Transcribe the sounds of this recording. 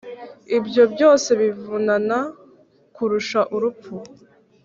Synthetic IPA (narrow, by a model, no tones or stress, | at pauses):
ibjo̞bjo̞ːse̞βivunana | kuɾuʃaʔuɾupu